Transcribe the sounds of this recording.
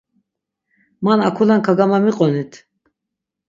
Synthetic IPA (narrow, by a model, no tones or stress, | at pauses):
manakʰulankʰaɡamamiqʼɔnit̪ʰ